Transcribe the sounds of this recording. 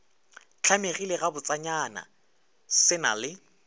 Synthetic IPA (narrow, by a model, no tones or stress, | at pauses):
t͡ɬʰameɣileɣabʊt͡sʼaɲana̰ | sɪna̰lɪ